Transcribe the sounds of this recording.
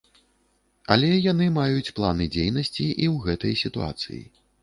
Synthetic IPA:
ɐ̰lʲɛjanɨmajut͡sʲplˠanɨd͡zʲejnɐsʲt͡sʲiʔiwɣɛt̪ɐjsʲit̪ua̰t̪sɨ̰jḭ

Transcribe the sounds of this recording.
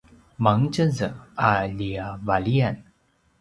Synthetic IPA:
maŋt͡ɕəzəalijavalijan

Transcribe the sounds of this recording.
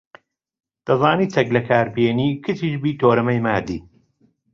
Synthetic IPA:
d̪̥ɐzaːniːt͡s̪ʰɐklɐkʰaːɾbjeːniːkʰɨt̪ʰiːʃbiːt̪ʰoːɾɐmɐjmaːd̪ḭː

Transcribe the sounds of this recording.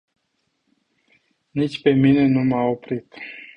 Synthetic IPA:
nit͡ʃʲpe̞mine̞numao̞pɾit̪

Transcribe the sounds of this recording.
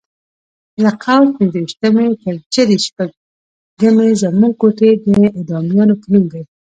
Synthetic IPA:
laqʰawpɪnzəwiʃt̪amet̪əɾt͡ʃad̪eʃpaɡ | ɡamezamuŋkoʈed̪əɪd̪ɑmjɑnopənuŋɡaj

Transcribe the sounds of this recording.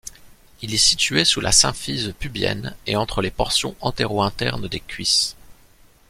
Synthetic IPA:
ilɛsit̪yesulʔa̰sɛ̃fizpybjɛ̰neɑ̃t̪χəlepɔʁsjɔ̃ʔɑ̃t̪eʁoɛ̃t̪ɛʁnd̪ekʲɥis

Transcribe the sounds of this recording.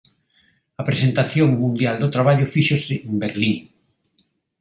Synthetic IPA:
apɾesent̪aθjoŋmũnd̪jald̪ot̪ɾaβaʎʊfiʃosɪʔembeɾliŋ

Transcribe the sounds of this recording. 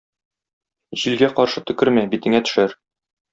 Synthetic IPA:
ʑilɡæqɒɾʃɤt̪ɵ̆kɘɾmæbit̪ɘ̆ŋæt̪ɵ̥̆ʃæɾ

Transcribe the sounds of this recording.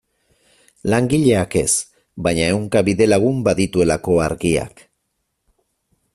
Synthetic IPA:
laŋɡiʎe̞ake̞s | bajɲae̞wŋkaβiðe̞laɣ̞umbaðit̪ue̞lako̞aɾɣia̰k

